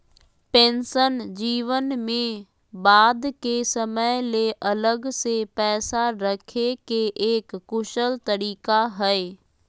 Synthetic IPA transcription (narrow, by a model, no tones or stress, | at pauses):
pẽːnsənd͡ʑiːʋənmẽ | baːd̪kesɐməleʔɐləɡsepɛːsaɾɐkʰekeʔeːkːʊʃəlt̪ɐɾiːkaɦɐeː